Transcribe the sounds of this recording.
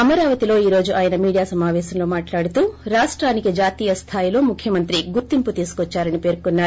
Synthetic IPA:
ɐmɐɾaːʋɐt̪ilo̞ːiːɾoːd͡ʒuʔaːjɐnɐmiːɽijaːsɐmaːʋɛːsɐmlo̞ːmaːʈlaːɽut̪uːɾaːʂʈɾaːnikid͡ʒaːt̪iːjɐst̪ʰaːjilo̞ːmukʰjɐmɐnt̪ɾiɡuɾt̪imput̪iːsu̥kɔt͡ʃːaːɾɐnipe̞ːɾkunːaːɾu

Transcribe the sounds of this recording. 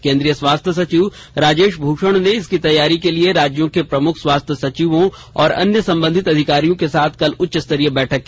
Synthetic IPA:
kẽːnd̪ɾijəswaːst̪ʰjəs̬ɐt͡ʃiːʋ | ɾaːd͡ʒeːʃbʱuːʃəɽ̃neɪskit̪ɐjːaːɾikelieɾaːd͡ʒjõkepɾɐmʊkʰswaːst̪ʰjəsɐt͡ʃiːʋõ | ɔːɾɐ̰njəsɐ̃mbə̃nd̪ʱɪt̪ɐd̪ʱɪkaːɾijõkesaːt̪ʰkɐlʊtːʃɪst̪əɾijəbɛːʈʰəkː

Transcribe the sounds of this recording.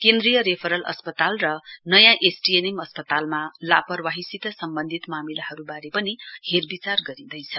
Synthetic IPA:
kend̪rijʌɾepʰʌɾʌlʌ̰spʌt̪alrʌnʌjãʔesʈienemʌspʌt̪almalapʌrwaɦisit̪ʌsʌmbʌnd̪ʱit̪mamilahʌɾubaɾepʌniherbit͡sarɡʌɾĩd̪ʌjt͡sʰʌ

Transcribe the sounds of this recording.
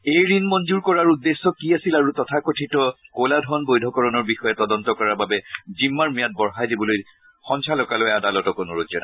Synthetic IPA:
ejɹinmɔnd͡ʒuɹkɔɹaɹudːesːɔkiasilaɹutɔtʰakɔtʰitɔkoladʱɔnbojdʱɔkɔɹɔnɔɹbixɔjɛtɔdɔntɔkɔɹababɛzimːaɹmijat̚bɔɹɦajdibɔloj | xɔŋsʰalɔkalojadalɔtɔkʊnuɹozɔna

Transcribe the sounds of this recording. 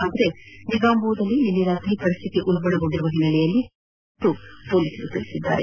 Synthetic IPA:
aːd̪ɐɾe̞niɡaːmbuːd̪ɐlːininːiɾaːt̪ɾipɐɾist̪ʰit̪iʔulbɐɽɐɡoɳɖiɾuʋɐɦinːɐɭɛjɐlːi | ʈ̪ːupoːliːsɐɾut̪iɭisid̪ːa̰ːɾe

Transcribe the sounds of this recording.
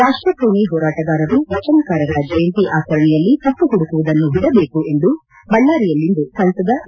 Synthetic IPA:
ɾaːʂʈɾɐpɾuːɳiɦɔːɾaːʈɐɡaːɾɐɾuʋɐt͡ʃɐnkaːɾɐɾɐd͡ʒɐjɐnt̪iʔaːt͡ʃɐɾɐɳɛjɐlːit̪ɐpːuɦuɽukuʋud̪ɐnːuɦiɽɐbeːkue̞nd̪u | bɐɭːaːɾijɐlːind̪usɐnsɐd̪ɐ

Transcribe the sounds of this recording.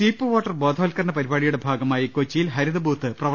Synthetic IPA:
t͡ɕiːpːɨʋoːʈːɐrbo̞ːd̪ʱoːlkɐɾɐɳɐpɐɾibaːɽijuɽe̞bʱaːɡɐmaːjikot͡ɕːijilɦɐɾuðɐbʱuːt̪ːɨprɐʋɐ

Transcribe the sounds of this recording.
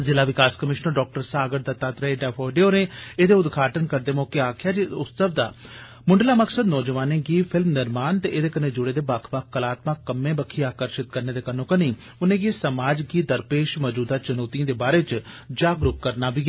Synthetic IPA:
zɪlaːʋɪkaːskəmɪʃnəɾɖɔːk̚ʈəɾsaːɡəɾd̪aːt̪aːt̪ɾaeːɖɛːpʰoːɖeoːnẽːeːd̪eːʊd̪ɡʱaːʈənkəɾd̪eːmoːkeaːkʰɪjaːd͡ʒiʊssəbd̪a̰ː | mʊɳɖlaːməksəd̪nɔːd͡ʒəʋaːnẽːɡiːpʰɪlmnɪɾmaːnt̪eːʔeːd̪eːkənẽːd͡ʒʊɽeːd̪eːbaːkʰbakːəlaːt̪maːkəmẽːbəkʰːiːaːkəɾʃɪt̪̚kəɾneːd̪eːkənõːkəniː | ʊnẽːɡeːsəmaːd͡ʒɡiːd̪əɾpeːʃmɔːd͡ʒuːd̪aːt͡ʃənɔːt̪iãːd̪eːbaːɾeːt͡ʃ | d͡ʒaːɡɾʊkkəɾnaːbiː

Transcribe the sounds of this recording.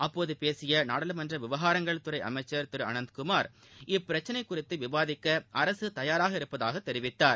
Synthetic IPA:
ɐpːoːðɯpeːsɪjɐnaːɽɐlɯmɐndrɐʋɪʋɐɣaːɾɐŋɡɐɭt̪ɯɾɐɪʔɐ̰mɐɪt͡ʃːɐɾt̪ɪɾɯɐ̰nɐnd̪kʊmaːɾ | ɪpːɪɾɐt͡ʃːɐnɐɪkːʊrɪt̪ːɯʋɪbaːðɪkːɐʔɐɾɐsɯt̪ɐjaːɾaːɣɐɪɾɯpːɐða̰ːɣɐt̪ːɛɾɪʋɪt̪ːaːɾ

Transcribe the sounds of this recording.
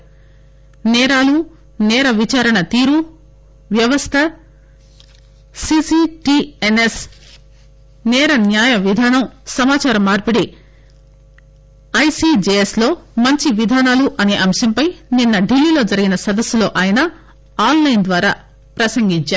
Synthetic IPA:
nɛːɾaːlu | nɛːɾɐʋit͡ʃaːɾɐɳɐt̪iːɾu | ʋjɐʋɐst̪ʰɐ | sisiʈiːenes | nɛːɾɐnjaːjɐʋid̪ʱaːnɐmsɐmaːt͡ʃaːɾɐmːaːɾpɐɽe | ɐjsid͡ʒeːjeslo̞ːmɐɲt͡ʃiʋid̪ʱaːnaːluʔɐne̞ːʔɐmʃɐmpɐjninːɐɖilːiːlo̞ːd͡ʒɐɾiɡinɐsɐd̪ɐsːulo̞ːʔaːjɐnɐ | aːnlɐjnd̪ʋaːɾaː | pɾɐsɐŋɡiɲt͡ʃaː

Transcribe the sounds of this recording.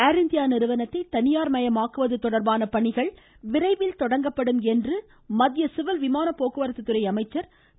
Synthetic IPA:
aːɾɪnd̪ɪjaːnɪɾɯʋɐnɐt̪ːɐɪt̪ɐnɪjaːɾmɐjɐmaːkːɯʋɐðɯt̪ɔɽɐɾbaːnɐpɐɳɪɣɐɭ | ʋɪɾɐɪʋɪlt̪ɔɽɐŋɡɐpːɐɽɯmɛndrɯ | mɐðjɐsɪʋɪlʋɪmaːnɐpːoːkɯʋɐɾɐt̪ːɯt̪ːɯɾɐɪɐmɐɪt͡ʃːɐɾ

